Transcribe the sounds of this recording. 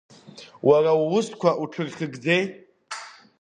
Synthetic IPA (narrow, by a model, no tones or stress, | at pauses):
wʔarawʊskʷʰaʔuʈ͡ʂʰɨrχʲɪɡd͡zejtʼ